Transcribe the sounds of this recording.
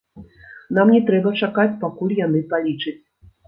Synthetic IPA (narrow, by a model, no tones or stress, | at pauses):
namnʲɛt̪ɾɛbɐt͡ʂakat͡sʲpakulʲjanɨpalʲit͡ʂɨt͡sʲ